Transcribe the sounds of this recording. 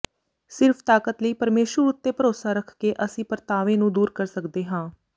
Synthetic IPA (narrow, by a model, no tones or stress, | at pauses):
sɪɾfʰt̪aːkət̪ləiːpəɾmeːʃwəɾʊt̪ːeːpəɾoːsaːɾəkʰkeːʔəsĩːpəɾt̪aːʋẽːnũːd̪uːɾkəɾsəkd̪eːɦãː